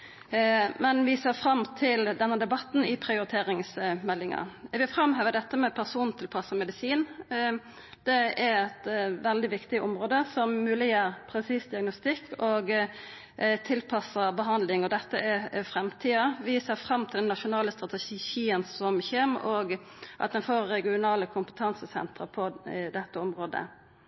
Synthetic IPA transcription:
mɛnʋɪseːfɾɑmːt̪ʰɪld̪ɛnːəd̪ɛbɑt̪ːn̩ɪpʰɾɪʊɾɪt̪ʰeːɾɪŋsmɛlːɪŋɑ̰ʋɪfɾɑmɦøːʋəd̪ɛt̪ːəmɛpʰæʁsuːn̩t̪ʰɪlpʰɑsəmɛd̪ɪsiːn | d̪̥ɛæɾɛt̪ʋɛld̪ɪʋɪkt̪ɪʔɔmɾoːd̪əsɔmːʉːlɪjəːɾpʰɾɛsiːsd̪ɪɑɡnʊst̪ɪkʰːɔːɡ | t̪ʰɪlpʰɑsəbəɦɑnd̪lɪŋɔd̪ɛt̪ːəʔɛfɾɛmt̪ʰiːɑʋɪseːɾfɾɑmːt̪ɪld̪ɛnːɑʂʊnɑːləst̪ɾɑt̪ɛʃçiːənsɔmçeːmʔɔɡ | ʔɑt̪d̪ɛnfoːɾːɛɡɪʊnɑːləkʰʊmpə̥t̪ʰɑnsəsɛ̰nt̪ɾəpʰɔd̪ɛt̪ːəɔmɾoːd̪ə̰

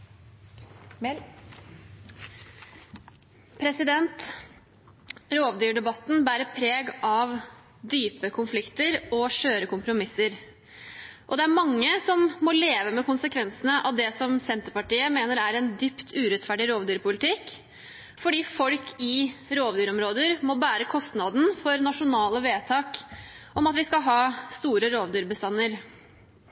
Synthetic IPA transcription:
pʰɾɛsɪd̪ɛnt̪ | ɾoːʋd̪yːɖɛbɑt̪ːn̩bæːɾəpʰɾeːɡɑʋ | d̪yːpəkʰʊnflɪkt̪əɾɔʃøːɾəkʊmpɾʊmɪsəɾ | ʔɔd̪ɛæɾmɑŋːəsɔmːɔleːʋəmɛkʊnsəkʰʋɛnsənəʔɑʋd̪ɛsɔmsɛnt̪əɾpɑʈiːəmeːnəɾæɾɛnd̪ypt̪ʰʉːɾɛt̪fæɖɪɾoːʋd̪yːɾpʊlɪt̪ʰɪkː | fɔɖiːfɔlkʰɪɾoːʋd̪yːɾɔmɾoːd̪əɾmɔbæːɾəkʰɔst̪nɑd̪n̩fɔɾnɑʂʊnɑːləʋeːt̪ʰɑːkʔɔmɑt̪ʋɪskɑɦɑːst̪uːɾəɾoːʋd̪yːɾbəst̪ɑnːəɾ

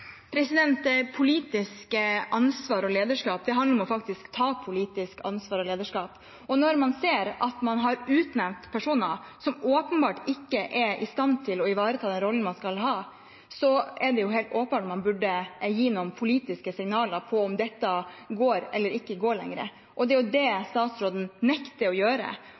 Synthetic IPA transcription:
pʰɾɛsɪd̪ɛnt̪pʰʊliːt̪ɪskəʔɑnsʋɑːɾɔleːd̪əʂkɑːp̚d̪ɛɦɑnd̪əɾɔmɔfɑkt̪ɪskt̪ʰɑːpʰʊliːt̪ɪskɑ̰nsʋɑːɾɔleːd̪əʂkɑːp | ɔnɔɾmɑnseːɾɑt̪mɑnɦɑɾʉːt̪nɛmt̪pʰæʂuːnəsɔmoːpənbɑːʈɪkːəʔɛɾʔɪst̪ɑnt̪ʰɪlɔɪʋɑːɾət̪ʰɑːd̪ɛnɾɔlənmɑnskɑlɦɑː | sɔɛɖɛjʊɦeːlt̪oːpəmɑːʈɔmɑnbʉɖːəjiːnʊɔmpʰʊliːt̪ɪskəsɪŋnɑːləɾpʰɔɔmd̪ɛt̪ːɑɡoːɾɛlːəɾɪkːəɡoːɾɭɛ̰ŋɾə̰ | ʔɔd̪ɛæjʊd̪ɛst̪ɑːt̪sɾoːd̪n̩nɛkt̪əɾɔjøːɾə̰

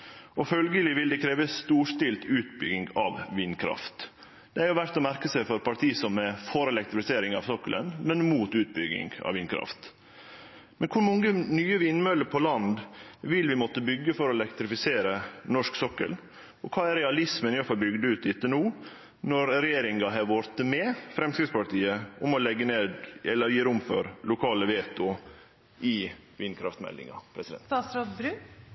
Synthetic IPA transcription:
ɔfœlɡəlɪʋɪld̪ɛkʰɾeːʋəst̪uːʂt̪ɪlt̪ʉːt̪bʏ̰ɡɪŋɡɑ̰ʋʋiːnkʰɾɑ̰ft̪ | d̪̥ɛæɾjʊʋæɾt̪ɔmæɾkəsæɪfɔɾpɑʈ̪ʰiːsɔmːɛfɔɾɛlɛk̚t̪ɾɪfɪseːɾɪŋɑ̰ʋsɔkːələ̰nmɛnmuːt̪ʉːt̪̚bʏɡɪ̰ŋɡɑ̰ʋʋɪːnkʰɾɑ̰ft̪ | mɛnkʰʊɾmɔŋːənyːəʋɪnmœləpʰɔlɑnd̪ʋɪlʋɪmɔt̪ːəbʏɡːəfɔɾɔɛlɛkt̪ɾɪfɪseːɾənɔʂksɔkːə̰l | ɔkʰɑːæɾɛɑlɪsmənɪjoːfɑɾbʏɡd̪əʉːt̪̚d̪ɪt̪ːənuː | nɔɾɾɛjeːɾɪŋɡɑɦɛːɾʋoɾt̪əmɛfɾɛmskɾɪt̪spɑʈ̪iːəʊmɔlɛɡːəneːd̪ɛlːəɾjiːɾʊmfø̰ɾlʊkʰɑːləʋeːt̪ʊ | ʔɪ | ʋiːnkʰɾɑ̰ft̪mɛ̰lːɪ̰ŋɑ̰pʰɾɛsɪd̪ɛ̰nt̪ɑsɾɑd̪bɾʉ

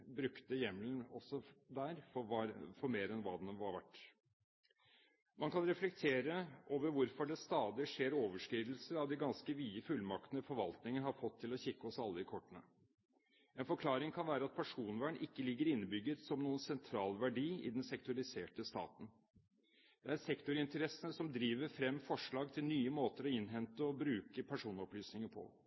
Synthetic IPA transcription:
bɾʉkt̪əjɛmlənɔsɔd̪æːɾfɔfɔɾmeːɾɛnʋɑːd̪ɛnʋɑɾʋæʈː | mɑnkɑnɾɛflɛk̚t̪ʰeːɾəʔoːʋəɾʋʊɾfɔɖɛst̪ɑːd̪ɪʂeːɾoːʋəʂkɾiːd̪l̩səɾɑʋd̪ɛɡɑnskəʋiːəfʉlmɑkt̪ənəfɔɾʋɑlt̪nɪŋənhɑɾfɔt̪ʰːɪlɔçɪkːəɔsɑlːəɪkʰɔʈːənə | ɛnfɔɾkʰlɑːɾɪŋkʰɑnʋæːɾəɑt̪̚pʰæʂuːnʋæːɳʔɪkːəlɪɡːəɾɪnːəbʏɡːət̪sɔmnuːənsɛnt̪ʰɾɑːlʋæɖiːɪ̰d̪ɛnsɛk̚t̪ʊɑlɪseːʈəst̪ɑ̰ːt̪n̩ | d̪̥ɛæɾsɛkt̪ʊɾɪnt̪əɾɛsənəsɔmd̪ɾiːʋəɾfɾɛmːfɔʂɭɑːɡt̪ʰɪlnyːəmoːt̪əɾɔɪnɦɛnt̪əɔbɾʉːkəpʰæʂuːnɔplyːsnɪŋəpʰɔ̰

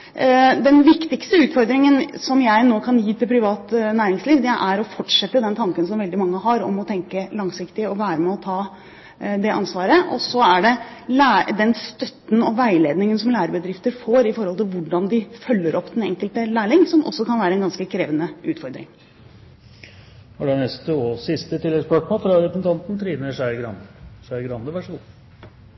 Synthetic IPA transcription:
d̪ɛnʋɪkt̪ɪkst̪əʉːt̪fɔɾd̪ɾɪŋənsɔmjæɪnoːkʰɑnjiːt̪ʰɪlpʰɾɪʋɑːt̪næːɾɪŋsliːʋd̪ɛʔæɾɔfɔʈʂɛt̪ːəd̪ɛnt̪ʰɑŋkənsɔmʋɛld̪ɪmɑŋːəɦɑɾɔ̰mɔt̪ʰɛŋkəlɑŋsɪkt̪ɪɔʋæːɾəmɛɔt̪ʰɑː | d̪ɛʔɑ̰nsʋɑːɾəʔɔ̰sːɔæɖɛlæːd̪ɛnst̪œt̪n̩ɔʋæɪleːd̪nɪŋənsɔmlæːɾəbəd̪ɾɪft̪əɾfoːɾɪfɔɾhɔlt̪ɪlʋʊɖɑnd̪ɪfœlːəɾʔɔpːd̪ɛnɛŋkəlt̪əlæːɭɪŋsɔmʔɔ̰sːɔkɑnʋæːɾəɛnɡɑnskəkʰɾeːʋənəʉːt̪fɔɾd̪ɾɪ̰ŋ | hɑɖɛnɛst̪əoːsɪst̪ət̪ʰɪlːɛɡspɑʈmofɾɑɾɛpɾəsn̩t̪ɑnt̪n̩t̪ʰɾiːnəʂæɪɡɾɑnʂæɪɡɾɑnd̪əʋæʂɡuː

